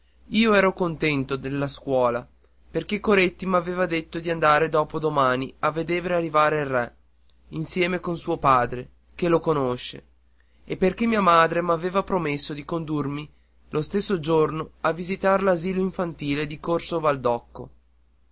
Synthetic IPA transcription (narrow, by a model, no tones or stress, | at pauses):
iːoɛːɾokont̪ɛnt̪od̪elːaskwɔːla | perk̟ekːoɾet̪ːimaveːvad̪et̪ːod̪iand̪aːɾed̪ɔːpod̪omaːniavːed̪eːvɾearːivaːɾeilrːɛ | insjɛːmekonsuːopaːd̪ɾe | k̟elokonoʃːḛ | epːerkemːiːamaːd̪ɾemaveːvapɾomesːod̪ikond̪urmi | lost̪esːod͡ʒornoavːizit̪aɾelaziːloiɱfant̪iːled̪ikorsovald̪ɔkːo̰